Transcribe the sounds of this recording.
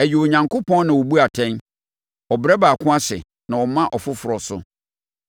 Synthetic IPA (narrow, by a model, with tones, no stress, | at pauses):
æ˨ji˨wo˨ɲã˨ŋkʰo˦pʰɔ̃˦n˦nã˨wɔ˨bu˦a˨tʰɛ̃˦n | ɔ˨bɾɛ˦baː˨kʰʊ̃˦a˦ɕɪ̰˨ | nã˨wɔ˨mã˦ʔɔ˨fʊ˦fʊ˨ɾɔ˨sʊ˨